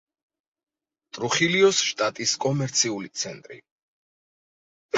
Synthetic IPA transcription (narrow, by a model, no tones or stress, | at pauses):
t̪ʼɾuχiliɔsʃt̪ʼat̪ʼiskʼɔmɛɾt̪sʰiulit̪sʰɛnt̪ʼɾḭ